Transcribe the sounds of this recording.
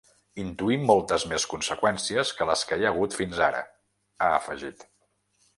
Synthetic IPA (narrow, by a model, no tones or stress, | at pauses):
int̪uimːɔlˠt̪əzmeskunsəkwɛnsiəskələskəeəɣ̞ut̪finzaɾə̰ | aə̰fəʒit̪